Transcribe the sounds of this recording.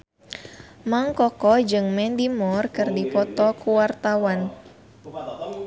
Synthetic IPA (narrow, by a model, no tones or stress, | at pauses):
maŋkɔkɔd͡ʒɨŋmɛndimɔrkɨrdipɔt̪ɔkuwart̪awan